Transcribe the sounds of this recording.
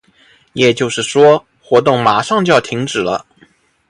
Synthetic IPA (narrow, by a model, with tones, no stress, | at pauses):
jɛ˨˩t͡ɕjo˥˧ʊʂɻ̩˥˩ʂwɔ˥ | xwɔ˧˥t̪ʊ˥˩ŋma˨˩ʂɑ˥˧ŋt͡ɕjɑ˥˩ʊt̪ʰi˧˥ŋʈ͡ʂɻ̩˨˩lə̰˦